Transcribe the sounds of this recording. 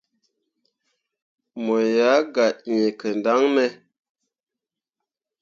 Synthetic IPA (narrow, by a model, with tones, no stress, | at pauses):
mo˨ja˨˦ɡa˨ʔɲe˨kə˨n˨da˦ŋmɛ˨˦